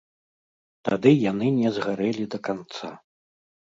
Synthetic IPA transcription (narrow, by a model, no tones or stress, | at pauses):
t̪ad̪ɨjanɨnʲɛzɣaɾɛlʲid̪ɐkant̪sa̰